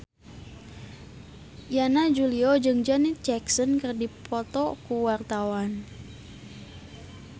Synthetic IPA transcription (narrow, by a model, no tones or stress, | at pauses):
janad͡ʒuliɔd͡ʒɨŋd͡ʒanit͡ʃɛksənkərdipɔt̪ɔkuwart̪awan